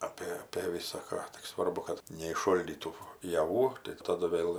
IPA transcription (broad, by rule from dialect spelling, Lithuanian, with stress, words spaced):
ˈɑːpʲeː ɐpʲeː ʋʲɪsɐˈkɑː tʲɪk ˈsʋɐrbʊ kɐt nʲɛɪʃˈʃoːlʲdʲiːtuː jɛˈʋuː tɐɪ tɐˈdʊ ˈʋʲeːlˠ